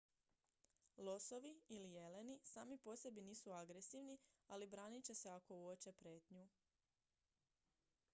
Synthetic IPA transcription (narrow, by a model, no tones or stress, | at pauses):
lˠoso̞ʋiilije̞le̞nisaːmipo̞se̞biniːsuaɡɾe̞siʋnialibɾaːnit͡ɕe̞se̞ako̞uot͡ɕe̞pɾe̞ːt̪ɲu